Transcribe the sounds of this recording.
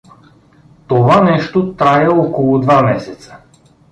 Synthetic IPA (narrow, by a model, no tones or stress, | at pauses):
t̪ovanɛʃt̪ot̪ɾaɛɔkolˠʊd̪vamɛsɛt̪sə̥